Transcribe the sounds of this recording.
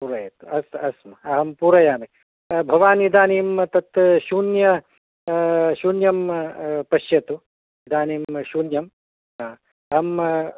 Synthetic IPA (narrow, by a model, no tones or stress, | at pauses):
puɾɐjɐt̪uɐsɐsmɐɐɦɐmpuɾɐjaːmɐ | bʱɐʋaːnid̪aːniːmt̪ɐt̪ʃuːnjɐ | ʃuːnjɐmpɐʃjɐt̪u | id̪aːniːmʃuːnjɐm | aː | ɐɦɐm